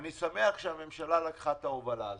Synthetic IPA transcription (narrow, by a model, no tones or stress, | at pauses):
nisameaχʃeame̞mʃalalakχat̪aovala̰l